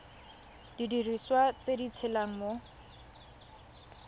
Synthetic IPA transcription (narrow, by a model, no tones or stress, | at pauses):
didiriswat͡sedit͡sʰelaŋ̩mo